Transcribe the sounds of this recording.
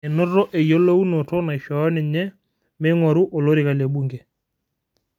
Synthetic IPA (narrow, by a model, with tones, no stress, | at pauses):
e˨no˦rːɔ˦ʔe˨jo˦lo˦u˦no˨tɔ˦na˨i˨ʃɔ˨ɔ˦nɪ˨ɲɛ˦ | me˦ŋwa˨ɾu˦ʔo˨lo˦ɾɪ˨ka˨le˨ɓu˦˨ŋɡe˨